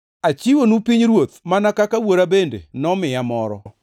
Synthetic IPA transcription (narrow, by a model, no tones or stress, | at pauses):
at͡ʃiwonupiɲɾwot̪manakakawoɾabendḛnɔmɪjamɔɾɔ̰